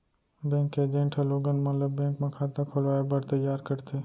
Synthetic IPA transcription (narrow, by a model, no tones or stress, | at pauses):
bɛ̃ːkeːd͡ʒẽɳʈʰeloːɡənmɐləbːɛ̃ːŋkmẽkʰaːt̪akʰolʋaːjebɐɾt̪ɐjːaːɾkɐɾt̪eː